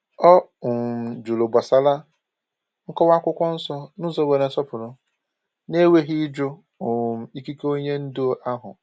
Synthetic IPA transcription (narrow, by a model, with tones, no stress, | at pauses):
ɔ˦ʊ˨m̩˨d͡ʒu˨lʊ˨ba˨sa˦la˦ | ŋ̩˦kɔ˦wa˦kʷʊ˦kʷɔ˦n̩˦sɔ˦nʊ˦zɔ˦be˨ɾe˨n̩˦sɔ˦pʊ˨ɾʊ˦ | ne˦we˦ɦi˦d͡ʒʊ˦ | ʊ˨m̩˨˦i˦ki˦ko˦ɲe˦n̩˦dʊ˦ʔa˦ɦʊ̰˨